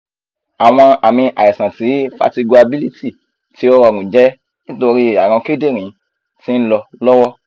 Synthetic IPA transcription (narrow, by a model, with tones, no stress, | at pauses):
a˨w̃ɔ̃˧a˨mĩ˧ʔa̰˨ɛ˨sã˨ti˨˦fa̰˧ti˧ɡu˧a˧bi˦li˦ti˦˨ | ti˨˦ɔ˦ɾɔ˧˨ɾũ˨d͡ʒɛ˦ | ĩ˦to˧ɾi˦˨a˨ɾ̃ɔ̃˧ke˦de˦˨ɾ̃ĩ˨˦ | ti˦n̩˦lɔ˧lɔ˦wɔ˦